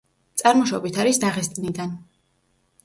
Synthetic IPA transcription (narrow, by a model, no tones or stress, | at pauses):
t̪sʼaɾmɔʃɔbit̪ʰaɾisd̪aʁɛst̪ʼnid̪an